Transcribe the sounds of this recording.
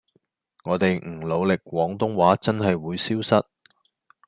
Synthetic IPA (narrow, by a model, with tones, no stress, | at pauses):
ŋɔː˨˧t̪e˨jŋ̩˨˩lo˨˧wlɪ˨k̚wɔː˨˥ŋt̪ʊ˥ŋwaː˨˥t͡sɐ˥nɦɐ˨jwuː˨˧jsiː˥wsɐ˥t̚